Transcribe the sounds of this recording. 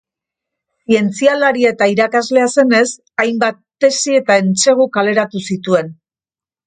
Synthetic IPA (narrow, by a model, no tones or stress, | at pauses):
sie̞nt͡sialaɾie̞t̪aiɾakazle̞ase̞ne̞s | ajmbat̪ːe̞sie̞t̪ae̞nt͡se̞ɣ̞ukale̞ɾat̪usit̪ue̞n